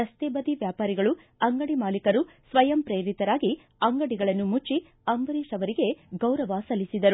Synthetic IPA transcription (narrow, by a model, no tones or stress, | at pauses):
ɐst̪eːbɐd̪iʋjaːpaːɾiɡɐɭu | ɐŋɡɐɽimaːlikɐɾusʋɐjɐmpɾeːɾit̪ɐɾaːɡi | ɐŋɡɐɽiɡɐɭɐnːumut͡ʃːi | ɐmbɐɾiːʂɐʋɐɾiɡe̞ɡɐwɾɐʋasɐlːisid̪ɐɾu